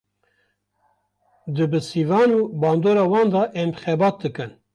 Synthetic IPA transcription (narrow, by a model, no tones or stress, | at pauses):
d̪ɨbɨsivɑːnuːbɑːnd̪oːɾɑːwɑːnd̪ɑʔɛmxɛbɑːt̪̚d̪ɨkɨn